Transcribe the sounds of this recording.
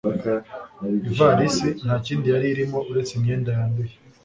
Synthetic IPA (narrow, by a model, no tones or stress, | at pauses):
ivaɾisin̥haːciːndijaɾiɾimo̞ʔuɾe̞t͡simɲe̞ːndajaːnduje